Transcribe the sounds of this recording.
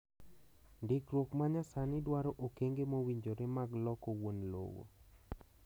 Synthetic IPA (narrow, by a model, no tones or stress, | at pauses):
ndɪkɾwokmaɲasanɪdwaɾɔʔokeŋɡemowiɲd͡ʒoɾemaɡlɔkowonlo̰wo̰